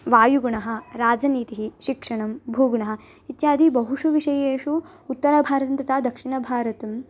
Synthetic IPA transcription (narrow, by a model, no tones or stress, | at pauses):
ʋaːjuɡuɳɐɦɐ̆ɾaːd͡ʒɐniːt̪iɦiʃikʂɐɳɐmbʱuːɡuɳɐɦɐ̆ | it̪jaːd̪ʱibɐɦuʂuʋiʂɐjeːʂu | ut̪ːɐɾabʱaːɾɐt̪ɐnt̪ɐt̪ʰaːd̪ɐkʂiɳɐbʱaːɾɐt̪ɐm